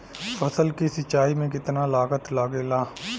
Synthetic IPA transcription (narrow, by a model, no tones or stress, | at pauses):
pɐsəlkisɐt͡ʃːaːimẽk̬ɪt̪nalaːɡət̪laːɡelaː